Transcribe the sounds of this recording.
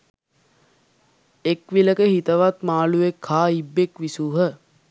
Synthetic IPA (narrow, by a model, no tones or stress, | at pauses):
ekʋiləkəhit̪əʋat̪maːluʋekʰːaːibːekʋisuːɦə